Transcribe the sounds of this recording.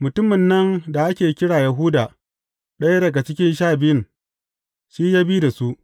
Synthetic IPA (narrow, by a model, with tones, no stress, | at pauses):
mʊ˨tʊ˦mɪ˨nːɐ˦nda˨ʔa˦kʲeː˨kʲɪ˦ɽaː˨jɐ˨ɦʊ˦daː˨ | ɗɐ˦ja˦dɐ˨ɡa˨t͡ʃɪ˦kʲɪ˦nʃ̬aː˦˨bɪ˦jɪ˦˨n | ʃiː˦jaː˦biː˦da˨su˦ʔ